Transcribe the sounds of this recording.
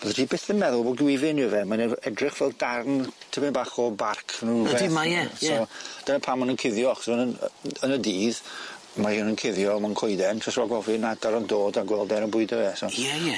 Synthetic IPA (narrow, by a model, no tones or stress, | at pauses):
b̥ɔðəriːbeθənmɛðʊlˠbɔɡwɪvɪnjuvɛmanɛɛdrɪχvɛlˠɡarntʰɪbɪnbaχɔbarkʰnuɛimajɛsɔd̥ənapʰamɔnənkʰɪðjɔaχsunən̰ənədiːð | majunənkʰɪðjɔmankʰɔjdɛntʰɔsaɡɔvinadaɾɔndoːdaɡwɛlˠdɛɾənbʊɨdəɛsɔjɛjɛ